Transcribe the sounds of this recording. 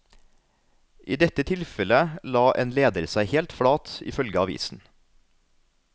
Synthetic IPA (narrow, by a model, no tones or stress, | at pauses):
ʔiːd̪ɛt̪ət̪ʰɪlfɛləlɑːʔeːnleːd̪əɾsæɪhɛːlt̪fɽɑːt̪ɪ̰fœlɡəɑːɑʋḭːsn̩